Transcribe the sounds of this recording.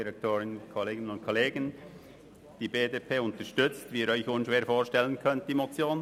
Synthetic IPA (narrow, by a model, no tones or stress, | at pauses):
iɾɛk̚tʰoːɾɪnəkʰoleːɡɪnənʊntkʰoleːɡən | d̥iːbeːdeːpʰeːʊntəɾʃtʏt͡stviːɾœʏçonʃʋeːɾfoːɾʃtɛlənkʰœnt̚d̥iːmot͡sjoːn